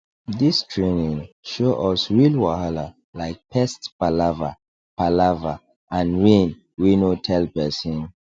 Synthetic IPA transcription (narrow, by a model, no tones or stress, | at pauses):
distʰɹenĩŋʃoʔɔsɹilwahala | laɪk̚pʰɛstpalava | palava | ʔãnɹẽn | winotʰɛlpɛsĩn